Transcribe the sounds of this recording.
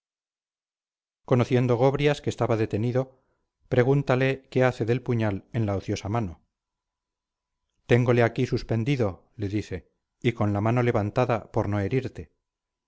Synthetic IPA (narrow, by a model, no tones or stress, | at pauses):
ko̞noθje̞nd̪o̞ɣ̞o̞βɾjaskeːst̪aβaðe̞t̪e̞niðo̞ | pɾe̞ɣunt̪aleke̞aθe̞ðe̞lpuɲale̞nlaoθjo̞samano̞ | t̪e̞ŋɡo̞le̞akisuspe̞nd̪iðo̞ | le̞ðiθe̞ | iko̞nlamano̞le̞βant̪aðapo̞ɾno̞e̞ɾiɾt̪e̞